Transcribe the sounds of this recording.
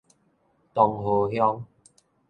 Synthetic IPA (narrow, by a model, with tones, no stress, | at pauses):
t̪ɔ˨ŋɦo˨ɦjɔ˦ŋ